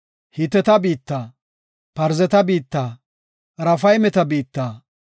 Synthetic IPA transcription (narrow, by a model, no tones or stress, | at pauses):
hɪt̪ɛt̪ɐbiːt̪ːaː | pɐɾzɛt̪ɐbiːt̪ːaː | ɾɐfɐjmɛt̪ɐbiːt̪ːaː